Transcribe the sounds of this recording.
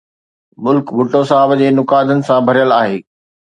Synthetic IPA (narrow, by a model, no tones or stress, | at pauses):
mʊlkbʱʊʈosaːbd͡ʑeːnʊkaːd̪ənɪ̆sãbʱɐɾijəlaːɦeː